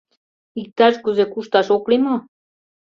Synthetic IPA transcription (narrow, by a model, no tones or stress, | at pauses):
ik̚t̪ɑʃkuzekuʃt̪ɑʃoklimo